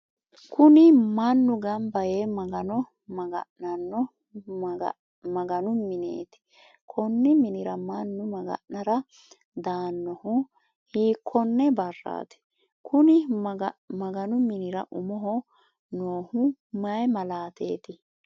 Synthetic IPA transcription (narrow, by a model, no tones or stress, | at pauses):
kʰʊnɪmɐnːʊɡɐmbɐjeːmɐɡɐnɔ | mɐɡɐ̰ʔnɐnːɔ | mɐɡɐnʊmɪnḛːt̪ɪ̥ | kʰɔnːɪmɪnɪɾɐmɐnːʊmɐɡɐ̰ʔnɐɾɐ | d̪aːnːɔhʊ | hiːkʰːɔnːɛbɐrːa̰ːt̪ɪ̥ | kʰʊnɪ | mɐɡɐnʊmɪnɪɾɐʔʊmɔɦɔ | noːhʊmɐjmɐlaːt̪ḛːt̪ɪ